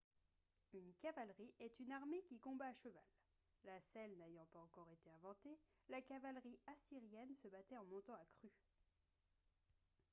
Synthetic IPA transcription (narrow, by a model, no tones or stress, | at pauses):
ynkavalʁiʔɛt̪ynaʁmekʲikɔ̃baːʃəvalː | asɛlnaejɑ̃paɑ̃kɔʁet̪eɛ̃vɑ̃t̪e | lakavalʁiasiʁjɛnsəbat̪ɛɑ̃mɔ̃t̪ɑ̃akχy